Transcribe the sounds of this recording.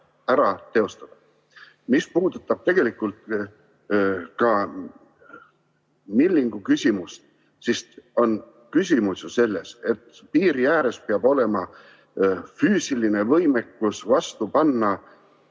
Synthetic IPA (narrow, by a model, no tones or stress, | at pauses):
æɾɑt̪e̞o̞st̪ɑd̪̥ɑ | mispuːd̪ut̪ːˑɑb̥̚t̪e̞ɡ̥e̞likːˑult̪ | kɑ | milʲːiŋɡ̥ukysʲimust̪ | sist̪o̞n | kys̬ʲimususe̞lːe̞se̞t̪ːˑ | piːɾijæːɾe̞speɑbo̞le̞mɑ | fyːsiline̞vɤjme̞kːusvɑst̪upɑnːɑ